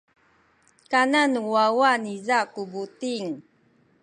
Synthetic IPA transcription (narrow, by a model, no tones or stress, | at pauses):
kananuwawanizakubutiŋ